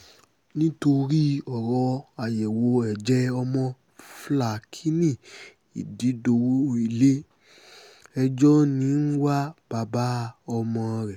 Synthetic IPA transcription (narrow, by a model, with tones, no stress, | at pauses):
nĩ˦to˧ɾi˦ɔ˨ɾɔ˧a˨jɛ˨wo˧ɛ˨d͡ʒɛ˦ɔ˧mɔ̃˧ | fla˨kʰi˦nĩ˦˨ | ḭ˨di˨˦do˧wo˦i˦˨le˦ | ɛ˧d͡ʒɔ˦nĩ˨˦n̩˦wa˦b̥a˧ba˦ɔ˧mɔ̃˧ɾɛ˨